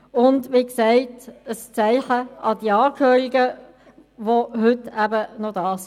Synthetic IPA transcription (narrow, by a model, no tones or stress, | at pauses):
ʊndʋiːksɛɪtəst͡sæɪχəʔɑdiːɑːkʰhøːɾiɡə | voɦʏtæbənɔdɑːs